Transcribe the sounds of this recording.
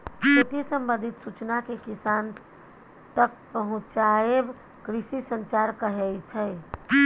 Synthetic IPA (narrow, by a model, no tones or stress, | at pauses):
kut̪isəmbə̃nd̪ʱit̪sut͡ʃnakekisan | t̪ək̚pəɦʊ̃t͡ʃaeb | kɾisisənt͡ʃaɾkəɦɛjt͡ʃʰɛ